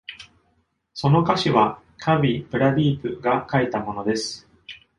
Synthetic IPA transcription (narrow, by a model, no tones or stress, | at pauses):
so̞no̞kaɕiβa | kʰaβʲipɯ̟ɾabʲiːpɯ̟ɡakait̪amo̞no̞d̪e̞sɨ̥